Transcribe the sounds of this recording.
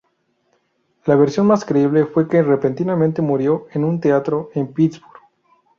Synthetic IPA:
laβeɾsjo̞nmaskɾe̞iβ̞le̞fwe̞kere̞pe̞nt̪inamẽnt̪e̞muɾjo̞e̞nũnt̪eat̪ɾo̞ʔe̞mpit̪zbuɾɣ

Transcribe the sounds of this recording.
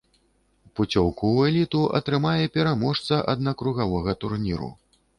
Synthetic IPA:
put͡sʲɔwkuwɛlʲit̪uʔɐ̰t̪ɾɨmajɛpʲɛɾamɔʂt̪sɐʔɐd̪̚nɐkɾuɣavɔɣɐt̪urnʲiɾṵ

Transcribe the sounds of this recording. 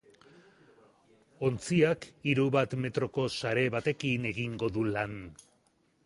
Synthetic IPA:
o̞nt͡siakiɾuβat̪me̞t̪ɾo̞ko̞saɾe̞βat̪e̞kine̞ɣiŋɡo̞ðulan

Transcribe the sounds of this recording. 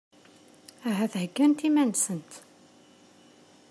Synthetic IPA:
æɦæθhəɡːænt̪imænsənt̪

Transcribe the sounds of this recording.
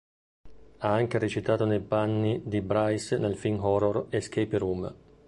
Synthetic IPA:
aaŋk̟eɾet͡ʃit̪aːt̪onejpanːid̪ibɾajsnelfinɦɔɾɔresk̟ejpeɾum

